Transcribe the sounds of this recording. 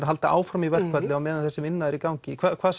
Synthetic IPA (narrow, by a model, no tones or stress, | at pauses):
aɦalt̪aʔaːwfɾɔmivɛr̥kvɛɾt̪lɪawmɛːðanθɛsːɪmɪnːaðɛɾikawɲcɪkʰvaːkʰvaːs